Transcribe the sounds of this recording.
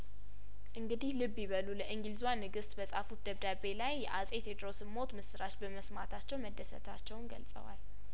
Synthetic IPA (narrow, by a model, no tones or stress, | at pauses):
ʔɨŋɡɨd̪ihlɨbːiβəluləʔɨŋɡɨlzuwanːɨɡɨst̪bəsʼafut̪̚d̪əβd̪abe̞lajːɛʔasʼe̞t̪jɛd̪ɾosɨmːot̪mɨsɨɾat͡ʃbəməsmat̪ʰat͡ʃːɛwməd̪ːəsə̰t̪ʰat͡ʃːɛwnɡə̰lsʼə̰wa̰l